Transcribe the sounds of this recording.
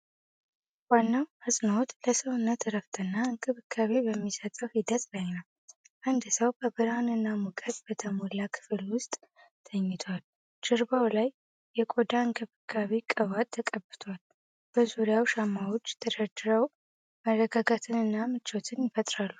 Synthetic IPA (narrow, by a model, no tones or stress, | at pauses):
wanːawhɨsʼnot̪ləsəwɨnːət̪ɾəft̪ʰʼɨnːaɨŋkʼɨβɨkʰːaβebəmːisət̪ʼəwhid̪ət̪ʼlajnəw | ʔand̪səwbʰəbɨɾanɨnːamukʼəd̪b̥ət̪ʰəmolakʰɨ̥fɨlwʊst̪ʼ | t̪ʰəɲːɪt̪ʰal | t͡ʃɪɾbawlaj | jɛkʼod̪aɨŋkʼɨβɨkʰːaβekʼəβat̪t̪ʰːəkʼəbːɨt̪ʰal | b̥əzuɾijawʃamːawot͡ʃːt̪ʰəɾəd͡ʒ̪ɨɾəw | mərːəɡaɡat̪ʰɨnɨnːamɨt͡ʃːo̞t̪ʰɨnjɪfət̪ʼɾalːu